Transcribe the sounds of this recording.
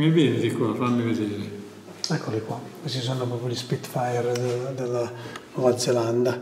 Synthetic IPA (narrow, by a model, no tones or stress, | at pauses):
mivɛːnd̪ikwafanːived̪eːɾe | ɛkʰːolikwakesis̬onːopɾɔːpjolispit̪ːfajɛɾd̪elad̪elːanɔvad̪zeland̪a